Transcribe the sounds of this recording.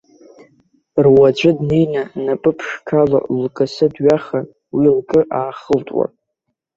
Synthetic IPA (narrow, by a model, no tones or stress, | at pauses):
rwad͡ʒʷʼɨdnejnanapʼɨpʰʂkʰala̰lkʼɨsɨdɥaχa | wilkʼɨʔaːχəltʼwa̰